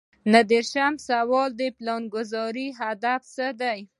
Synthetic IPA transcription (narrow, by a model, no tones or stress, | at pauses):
nad̪eɾʃamsawɑld̪əplɑnɡʊzɑɾiɦad̪afsəd̪aj